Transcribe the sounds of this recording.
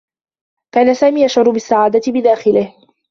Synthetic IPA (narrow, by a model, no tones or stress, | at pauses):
kaːnasaːmiːjʔaʃʕʊɾˤʊbɪsːaʕaːd̪at̪ɪbɪd̪aːxɪlɪh